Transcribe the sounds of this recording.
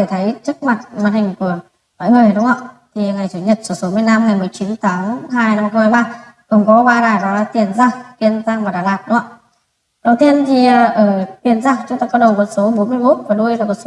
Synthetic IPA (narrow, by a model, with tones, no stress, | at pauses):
e˧˩t̪ʰə˨˦jt͡ɕɨ˦˥ək̚ma˨˩t̚maː˨˩t̚hi˨˩ŋ̟ku˧˩ə | ma̰˧˨jhəː˨˩˨ɗə˨˦ŋ͡mʔə̰˧˨t̪ʰi˨˩ŋa˨˩jt͡ɕɨ˧˩ɲə˨˩t̚so˧˩so˨˦mi˧˩əna˧mŋa˨˩jmɨ˨˩əjt͡ɕi˨˦nt̪ʰaː˨˦ŋɦaː˧jna˧m˧xhaː˧jɓaː˧ | kɔ̰˧˩ŋ͡mkɔ˨˦ɓaː˧ɗaː˨˩jɗɔ˨˦laː˧˩t̪i˨˩ənzaː˧˩wt̪i˧˩ənzaː˧ŋvaː˨˩ɗaː˧˩laː˨˩t̚ɗʊ˨˦a̰ː˧˨ | ɗə˨˩wt̪i˧ənt̪ʰi˨˩˨ʔəː˧˩t̪i˨˩ənzaː˧˩wt͡ɕʊ˨˦ŋ͡mt̪aː˧˩kɔ˧˩ɗə˨˩wkɔ˨˦nso˨˦ɓo˨˦nmɨ˧əjmo˦˥t̚vaː˨˩ɗu˧jlaː˨˩kɔ˨˦so˨˦